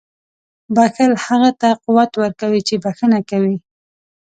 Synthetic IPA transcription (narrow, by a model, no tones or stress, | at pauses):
baxəlhaɣat̪aquwat̪wəɾkawit͡ʃebaxənakawi